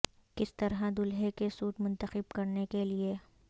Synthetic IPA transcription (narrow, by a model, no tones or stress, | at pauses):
kɪst̪ɐɾɦad̪ʊlɦekesuːʈmʊ̃nt̪əxɪb̚kɐɾnekelie